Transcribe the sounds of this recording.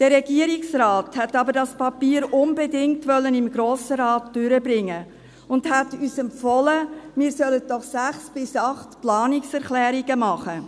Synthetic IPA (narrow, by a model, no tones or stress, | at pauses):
d̥əɾɛɡ̥iəɾiksɾɑːthɛtːɑbəɾdɑspɑpiːɾʊnbɛdɪŋktʋœlːənɪmɡɾoːsəɾɑːtd̥ʏɾəbɾɪŋːə | ʊndhætyːsɛmfɔləmɪːɾsœlət̚d̥ɔχsæχsb̥ɪsɑχtplɑːniksɛɾχlɛːɾiɡəmɑχə